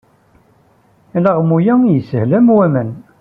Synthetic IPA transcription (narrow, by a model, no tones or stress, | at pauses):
æləʁmujæjəsəhlæmwæmən